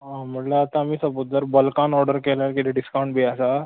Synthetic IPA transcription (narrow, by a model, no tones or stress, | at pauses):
ɦam̤əʈleat̪ãːmiːsəbod̪ːəɾbəlkanɔɾɖəɾkelakit̪ʰeɖiskawɳʈbʱeəsa